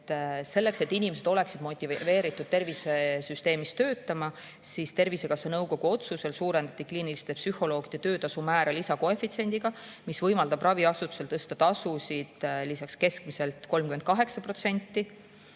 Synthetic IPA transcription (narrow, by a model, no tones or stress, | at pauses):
se̞lːe̞kse̞t̪ːinʲime̞s̬e̞d̪o̞le̞ksid̪̥mo̞t̪ʲːˑive̞ːɾit̪ːˑud̪̥̚t̪e̞rvisesyst̪e̞ːmist̪ø̞ːt̪ːˑɑmɑ | sist̪e̞rvise̞kɑsːɑnɤwko̞ɡ̥uo̞t̪suse̞lsuːɾe̞nd̪̥ɑt̪ːˑikliːnilist̪epsyho̞lo̞ːɡ̥id̥̪et̪ø̞ːt̪ɑsumæːɾɑlisɑko̞e̞fit̪sie̞nʲd̪̥iɡ̥ɑ | misvɤjmɑld̪ɑbrʔɑviɑsut̪ːu̥se̞lt̪ɤst̪ɑt̪ɑsusid̪̥lisɑkske̞skmise̞lt̪ˑko̞lmkymenkɑɦe̞ksɑpro̞t̪se̞nʲt̪ːˑi